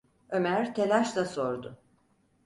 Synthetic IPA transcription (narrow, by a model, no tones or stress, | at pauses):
ø̞mæɾt̪ʰelʲaʃlˠaso̞ɾd̪ʊ